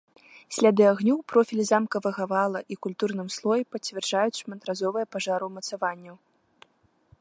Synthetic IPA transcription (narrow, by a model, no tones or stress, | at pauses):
sʲlʲad̪ɨaɣnʲuwpɾɔfʲilʲizamkɐvɐɣɐvalˠɐʔikulʲt̪urnɨmslˠɔjɛpɐt͡sʲvʲɛrd͡ʐajut͡sʲʂmɐnt̪ɾazɔvɨjɐpaʐaɾɨmɐt̪savanʲːɐw